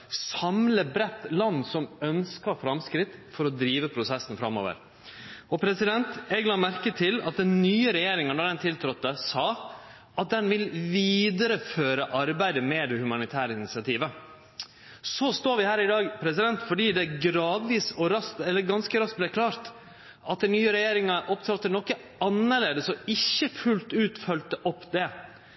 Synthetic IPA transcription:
sɑmləbɾɛt̪ːlɑnːsɔmœnskɑfɾɑmskɾɪt̪ːfɔɾɔd̪ɾiːʋəpʰɾʊsɛsːnfɾɑmo̰ːʋə̰ɾ | ɔpʰɾɛsɪd̪ɛnt̪ɛɡlɑmæɾkət̪ʰɪlɑt̪̚d̪ɛnnyːəɾɛjeːɾɪŋənd̪ɑːd̪ɛnt̪ʰɪlt̪ʰɾɔt̪ːəsɑː | ʔɑt̪̚d̪ɛnʋɪlʋiːd̪əɾəføːɾəʔɑɾbæɪd̪əmɛd̪ɛhʉmɑnɪt̪ʰæːɾəɪnɪsɪɑt̪ʰiːʋə | sɔst̪oːɾʋɪhæːɾɪd̪ɑːɡpʰɾɛsɪd̪ɛnt̪fɔɖiːd̪ɛɡɾɑːd̪ʋiːsɔɾɑst̪ɛlːəɾɡɑnskəɾɑsk̚blɛkʰlɑːɾt̪ | ɑt̪̚d̪æɪnyːəɾɛjeːɾɪŋɑʔɔpt̪ʰɑt̪ːnɔkːə | ɑnːəɭeːd̪əsɔɪçːəfʉlt̪ʉːt̪fœlt̪əʔɔpːd̪ɛ

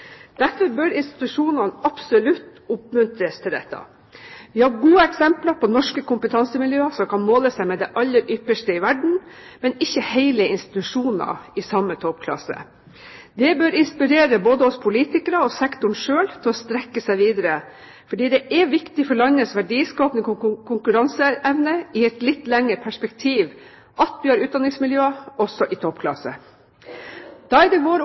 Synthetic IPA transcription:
d̪̥æɾfɔɾbœɾɪnst̪ɪ̥t̪ʉʂuːnɑnəɑpsɔlʉt̪ːʊpmʉnt̪ɾəst̪ʰɪld̪ɛ̰t̪ːɑ̰ | ʋɪhɑɾɡuːəɛksɛmplɑpʰɔnɔʂkəkʊmpət̪ʰɑnsəmɪljøːɑsɔmkʰɑnmoːləsæɪmɛd̪ɛʔɑlːəɾʔʏpːəʂʈəɪʋæɖɳ̩mɛnɪçːəhæɪləɪnst̪ɪ̥t̪ʉʂuːnɑ̰ɪsɑmːət̪ʰɔpkʰlɑ̰sə̰ | d̪ɛbøːɾɪnspɪɾeːɾəboːd̪əɔspʰʊliːt̪ɪkəɾɑɔsɛkt̪ʊɳʂøːlt̪ʰɪlɔst̪ɾɛkːəsæɪʋiːd̪əɾə | fɔɖiːd̪ɛʔɛʋɪkt̪ɪfɔɭɑnəsʋæɖiːskɑːpənəkkʰʊŋkʉɾɑnsəʔɛʋnəɪɛt̪lɪt̪ːlɛŋːəɾpʰæʂpɛkt̪ʰiːʋ | ʔɑt̪ʋɪhɑɾʉːt̪̚d̪ɑnɪŋsmɪljøːɔsɔʔɪt̪ʰɔpkʰlɑ̰sə̰ | d̪̥ɑːɛd̪ɛʋoːɾ

